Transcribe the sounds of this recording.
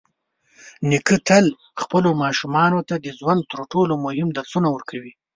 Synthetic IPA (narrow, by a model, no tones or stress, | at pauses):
nɪkət̪al | xpəlomɑʃumɑnot̪ad̪əzwand̪̚t̪əɾʈolomʊhɪmd̪aɾsunawəɾkʰawi